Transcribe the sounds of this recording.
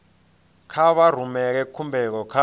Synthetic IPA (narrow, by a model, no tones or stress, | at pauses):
kʰaɓar̤umɛk̬ɛkʰːumbʱɛk̬ɔkʰa